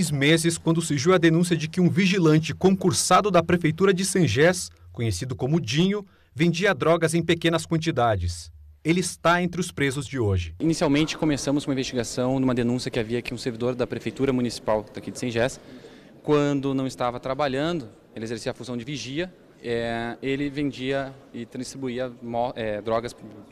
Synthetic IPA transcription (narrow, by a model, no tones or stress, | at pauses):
zmezɪskwɐ̃nd̪ʊseʒiwɐd̪enũsijɐd͡ʒɪkɪũviʒilɐ̃nt͡ʃɪkõŋkuɾsad̪ʊd̪ɐpɾefejt̪uɾɐd͡ʒɪsɐ̃ʒɛskõɲesid̪ʊkõmʊʊd͡ʒĩɲʊ | vẽnd͡ʒiɐd̪ɾɔɡɐzẽj̃pekẽnɐskwɐ̃nt͡ʃid̪ad͡ʒɪselɪɪst̪aẽnt̪ɾɪʊspɾezʊzd͡ʒɪoʒɪinisiawmẽnt͡ʃɪ̥komesɐ̃mʊsũmĩvest͡ʃiɡasɐ̃w̃d̪umɐd̪enũsjɐkɪaviɐakiũseɾvid̪oɾd̪ɐpɾefejt̪uɾɐmũnisi̥pawd̪akid͡ʒɪsɐ̃ʒɛs | kwɐ̃nd̪ʊnɐ̃w̃ɪst̪avɐt̪ɾabaʎɐ̃nd̪ʊ | elɪezeɾsiɐfuzɐ̃w̃d͡ʒɪviʒiɐ | ɛelɪvẽnd͡ʒiɐ | ɪt̪ɾɐ̃ist̪ɾibuiɐmɔɛd̪ɾɔɡɐs